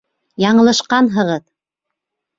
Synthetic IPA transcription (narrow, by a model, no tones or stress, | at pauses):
jɑɴɤ̆lˠɤ̆ʃqɑnɦɤ̆ʁɤð